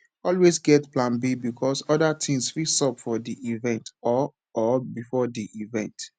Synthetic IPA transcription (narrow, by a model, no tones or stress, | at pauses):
ɔlwesɡɛtplãnbibikʰɔsɔdatʰĩŋsfisɔpfɔdiʔivɛ̃ntɔː | bifɔdiʔivɛ̃nt